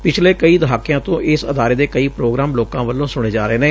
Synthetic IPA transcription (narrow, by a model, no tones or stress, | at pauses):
pɪt͡ʃʰleːkəiːd̪əɦaːkːɪjãːt̪õːʔɪsəd̪aːɾeːd̪eːkəiːpɾoːɡɾaːmloːkãːʋəlːõːsʊɽ̃eːd͡ʒaːɾəeːneː